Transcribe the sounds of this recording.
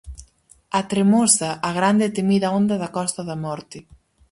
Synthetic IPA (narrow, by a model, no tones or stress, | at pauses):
at̪ɾemosaʔːɣɾand̪et̪emiðɐond̪ɐðɐkɔst̪ɐðɐmɔɾt̪ɪ